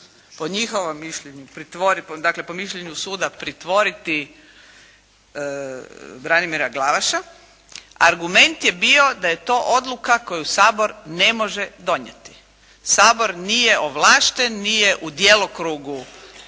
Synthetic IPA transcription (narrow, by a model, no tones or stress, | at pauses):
poɲixoʋomːiʃʎeɲupɾit̪ʋoɾipd̪akle̞po̞miʃʎeɲusuːd̪apɾit̪ʋo̞ɾit̪i | bɾanimiɾaɡlˠaʋaʃa | a̰ɾɡume̞nt̪jebio̞d̪aje̞t̪o̞ːʔo̞d̪lukako̞jusaːbo̞ɾnemo̞ʒed̪o̞ɲḛt̪i̥ | saːbo̞ɾnije̞ʔoʋlˠaːʃt̪enːije̞ʔud̪jelokɾuːɡu